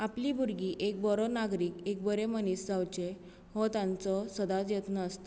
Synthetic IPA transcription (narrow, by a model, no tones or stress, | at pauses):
apliːbʱuɾɡiːʔek̚bɔɾɔnaɡɾiːkek̚bəɾeməniːsd͡zawt͡ɕe | ɦɔt̪ãnt͡sɔsəd̪at͡sjet̪nəːst̪